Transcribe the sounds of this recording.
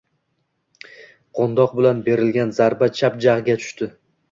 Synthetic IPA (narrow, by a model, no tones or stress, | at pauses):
qʰond̪ɒq̚bɪlanbe̞ɾɪlɡʲanzaɾbat͡ʃʰapd͡ʒaʁɨɡʲat̪ʰʊ̥ʃt̪ɪ